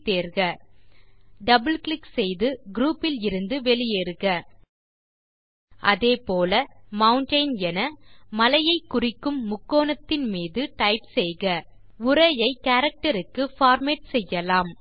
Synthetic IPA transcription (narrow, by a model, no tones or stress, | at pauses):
t̪eːɾɣɐ | ɖɐbɪlklɪksɛjðɯɡɾuːpːɪlɪɾɯnd̪ɯʋɛlɪjeːɾɯɣɐ | ʔɐðeːpoːlɐmɐwʊɳʈɐɪnɛnɐmɐlɐjɐɪkːʊrɪkːɯmːʊkːoːnɐt̪ːɪnmiːðɯʈɐɪpsɛjɣɐ | ʊɾɐjɐɪkaːɾɐk̚ʈɐɾɯkːɯfaːɾmeːʈsɛjːɐlaːm